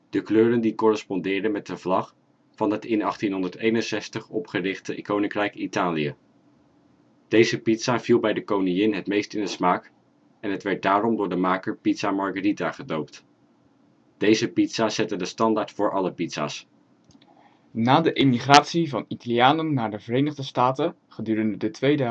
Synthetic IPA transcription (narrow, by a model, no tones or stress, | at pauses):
d̥əkløːɾəndikɔrɛspɔndɪːɹdənmɛt̚dəv̥lɑχ | fɑnɦətɪnɑχtinɦɔndəɹtejnənsɛstəχɔpχərɪχtəkownɪŋkrɛjkitaːlijə | d̥ejzəpitsav̥ilˠbɛjdəkownijɪnɦətmejstɪndəsmaːk | ɛnɦətʋɛɹt̚daːrɔmdʊːɹdəmaːkəɹpitsamɑɹɡəritaχədowpt | d̥ejzəpitsazɛtədəstɑndaːɹtfʊːɹʔɑləpitsa̰ːs | naːdəʔɪmiχraːtsivɑnitalijaːnənːaːɹdəvərejnəχdəstaːtə | χədyːrəndədətʋejdə